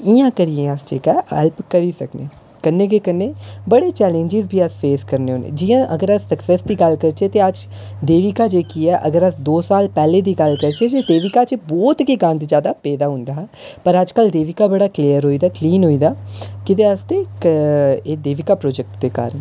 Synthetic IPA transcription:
ɪjãːkəɾijẽːəst͡ʃeːkɛːɛ̰lpkəɾiːsəknḛː | kənːeːkeːkənːeːbəɽeːt͡ʃɛːlẽɲd͡ʒɪzbʱiːəsfeːskəɾneːɦoːnḛːd͡ʒɪjãːʔəɡəɾəssəksɛːsd̪iːɡəlkəɾt͡ʃeːt̪eːəd͡ʒ | d̪eːʋikaːd͡ʒeːkiːɛːʔə̰ɡəɾəsd̪oːsaːlpɛːleːd̪iːɡəlkəɾt͡ʃeːd͡ʒeːd̪eːʋɪkaːt͡ʃbɔːt̪kiɡãːnd̪id͡ʒjaːd̪aːpɛːd̪aːɦʊ̃nd̪aːɛːpəɾəd͡ʒkəld̪eːʋɪkaːbəɽaːkliːjəɾɦoːiːd̪aːkliːnɦoːiːd̪aːkɪt̪eːəst̪eːkeːd̪eːʋɪkaːpɾoːd͡ʒɛk̚ʈd̪eːka̰ːɾən

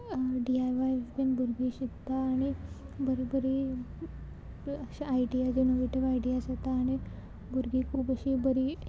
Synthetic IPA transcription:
ɖiajʋajbenbuɾɡiːɕit̪aːɽ̃i | bəɾibəɾi | əɕaajɖijad͡ʑinoʋiʈiʋajɖijasat̪aːɽ̃i | buɾɡiːkʰuːpəɕibəɾiː

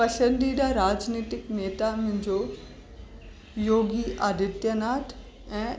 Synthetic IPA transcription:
pɐsə̃nd̪iɖaɾaːd͡ʒniːt̪ɪkneːt̪amʊ̃ɦɲd͡ʑo | joːɡiʔaːd̪ʱɪt̪jənaːʈ̪ʰ | ɛ̃ː

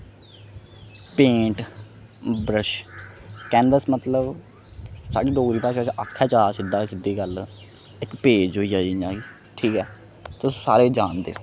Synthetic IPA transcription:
pẽːʈ | bɾəʃ | kɛ̃ːnd̪əsmət̪ləb | sa̰ːɖiːɖoːɡɾiːpaːʃaːt͡ʃːʔaːkʰːɛːt͡ʃaːsɪd̪aːsɪd̪iːɡəl | ɪkpeːd͡ʒɦoːiːd͡ʒaːiãːɡiː | ʈʰiːkɛː | t̪ʊsːsa̰ːɾeːd͡ʒaːnd̪ḛː

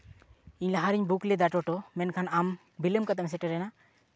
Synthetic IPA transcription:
iɲlaɦaɾiɲbuklɛd̪aʈɔʈɔmɛnkʰanam | biləmkat̪ams̬ɛʈɛɾɛna

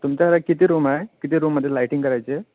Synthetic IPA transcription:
t̪umt͡ɕaɾakit̪iːɾumaɦekit̪iːɾumːəd̪ʱjelajʈĩŋkəɾajt͡ɕe

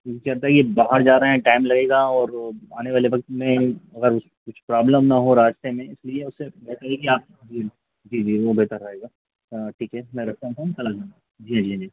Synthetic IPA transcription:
kɐɾt̪aɦɛkijebaɦəɾd͡ʒaːɾɐɦɦɛ̃ʈaːɪmlɐɡeːɡaɔːɾaːneʋaːleʋɐk̚t̪mɛ̃ɐɡəɾʊ | kʊt͡ʃʰpɾaːbləmnɐɦoɾaːd͡ʒt̪emẽɪslieʊsːebeːɦt̪əɾɦɛkiaːp̚d͡ʒiː | d͡ʒiːd͡ʒiːʋobeːt̪əɾɾɐɦeːɡaː | ʈʰiːkɦɛmɛ̃ɾɐk̚ʰt̪aɦũt̪ʰaũkɐlad͡ʒaːa | d͡ʒiːɦãd͡ʒiːɦãd͡ʒiː

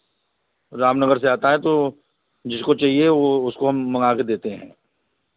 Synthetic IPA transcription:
ɾaːmnɐɡəɾseaːt̪aɦɛ̃t̪o | d͡ʒɪskot͡ʃaɦieoʊskoɦɐmːɐŋaːked̪eːt̪eɦɛ̃ː

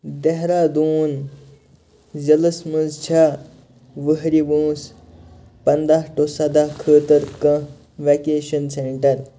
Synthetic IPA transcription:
d̪eɦɾaːd̪uːn | zɐlɐsmənzt͡ʃʰa | ʋəɦɾibũːs | pɐnd̪aɦʈosɐd̪aːkʰəːt̪əɾkɐ̃ | ʋekeːʃɐnseɳʈɐɾ

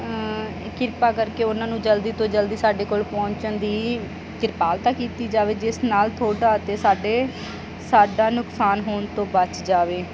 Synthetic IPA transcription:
kɪɾpaːkəɾkeːʊnãːnũːd͡ʒəld̪iːt̪õːd͡ʒəld̪iːsaːɖeːkoːlpɔ̃ːɲt͡ʃənd̪iː | k̪ɪɾpaːlt̪ãːkiːt̪iːd͡ʒaːʋeːd͡ʒɪsnaːlt̪ʰoːɖaːt̪eːsaːɖeː | saːɖaːnʊksaːnɦoːɳt̪õːbət͡ʃd͡ʒaːʋeː

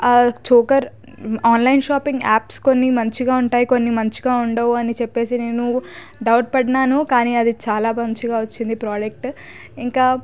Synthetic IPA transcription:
t͡ʃuːkɐɾ | aːnlɐjnʃaːpiŋɡa̰ːpsko̞nːimɐɲt͡ʃiɡaːuɳʈaːjiko̞nːimɐɲt͡ʃiɡaːuɳɖɐʋɐnit͡ʃɛpːe̞ːsine̞ːnu | ɖɐwʈ̚pɐɽɐnaːnukaːniːɐd̪it͡ʃaːlaːbɐɲt͡ʃiɡaːʋɐt͡ʃːind̪ipɾaːd͡ʒek̚ʈ | iŋkaː

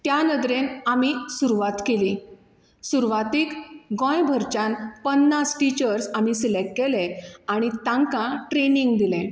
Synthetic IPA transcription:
t̪janəd̪ɾenamisuɾuʋat̪keli | suɾʋat̪iːkɡɔ̃jbʱəɾt͡ɕãnpənːasʈit͡ɕəɾsamisilekkɛlɛ̃aɽ̃it̪ãŋkãʈɾeniŋɡd̪ilɛ̃

